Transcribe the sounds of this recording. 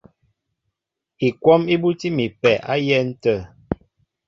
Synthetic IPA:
i˨kwɔ˦mi˦bu˦ti˦mi˨pɛ˨ʔa̰˦jɛ˦n̩˦tə˦˨

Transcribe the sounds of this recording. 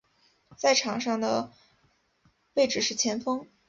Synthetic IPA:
t͡sa˥˩ɪʈ͡ʂʰɑ˨˩ŋʂɑ˥˩ŋd̪ə˩ | we˥˧ɪʈ͡ʂɻ̩˥˩ʂɻ̩˥˩t͡ɕʰjɛ˧˥nfɤ˥ŋ

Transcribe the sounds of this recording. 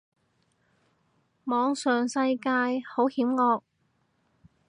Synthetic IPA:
mɔː˨˧ŋsœː˨ŋsɐ˧jkaː˧jho˨˥whiː˨˥mŋɔː˧k̚

